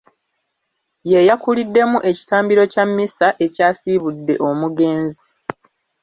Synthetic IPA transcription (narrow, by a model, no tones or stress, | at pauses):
je̞jakulidːe̞muʔe̞ci̥taːmbiɾo̞camːisaʔe̞caːsiβudːe̞ʔo̞muɡe̞ːnzi